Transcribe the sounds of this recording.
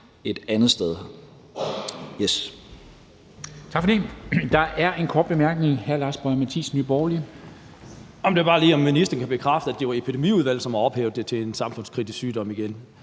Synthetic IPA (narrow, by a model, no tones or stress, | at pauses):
e̝d̥ænð̩ˠsd̥eð̞ˠ | jes | t͡sʰɑ̈ɡ̥fɒd̥ḭːd̥ɑ̈ʔæɐʔe̝nkʰɒ̰ːd̥̚b̥e̝mæɐɡ̥ne̝ŋhæɐlɑsb̥ɒmæt͡sʰḭːsny̰ːb̥ɒːli | ɒ̽md̥e̝ɐb̥ɑ̈ːliːɒ̽mːinisd̥ɐn̩kʰæb̥e̝kʰʁɑfd̥əæd̥e̝ɑe̝pʰid̥e̝mḭːuð̞ˠʋæl̰̩sɒ̽mɑɒ̽b̥heːʊðˠd̥e̝t͡sʰe̝ensɑ̈mfɔ̽n̰skʰʁid̥isyːd̥ɒ̽m̰iɡ̥en